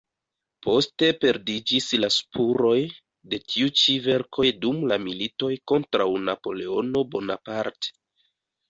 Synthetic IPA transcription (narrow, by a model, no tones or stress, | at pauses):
pʰo̞ste̞pe̞ɾdid͡ʒislaspʰuɾo̞j | de̞tʰiut͡ʃive̞ɾkʰo̞jdumlamilito̞jko̞ntɾawnapo̞le̞o̞no̞bo̞na̰paɾte̥